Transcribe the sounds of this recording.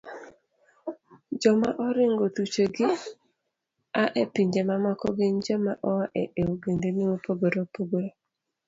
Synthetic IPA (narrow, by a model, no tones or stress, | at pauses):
d͡ʒɔmaʔɔɾɪŋɡotut͡ʃeɡɪ | aʔepiɲd͡ʒemamɔkɔɡeɲd͡ʒɔmaʔɔwaʔeʔeoɡendeniopoɡoɾopoɡoɾo